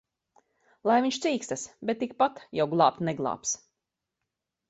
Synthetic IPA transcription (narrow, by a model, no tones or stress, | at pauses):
lˠajviɲʃt̪siːkst̪asbɛt̪̚ːik̚pat̪jawɡlˠɑːp̚t̪nɛɡlˠɑ̰ːps